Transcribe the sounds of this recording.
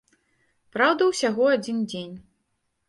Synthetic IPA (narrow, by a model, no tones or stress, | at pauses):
pɾawd̪ɐwsʲaɣɔad͡zʲind͡zʲenʲ